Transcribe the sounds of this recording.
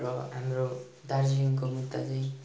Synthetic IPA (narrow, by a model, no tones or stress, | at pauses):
ɾʌɦamro | d̪aɾd͡ziuŋkomut̪ːat͡saj̃